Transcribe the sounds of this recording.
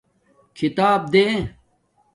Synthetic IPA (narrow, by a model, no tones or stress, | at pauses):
kʰit̪aːb̚d̪ẽ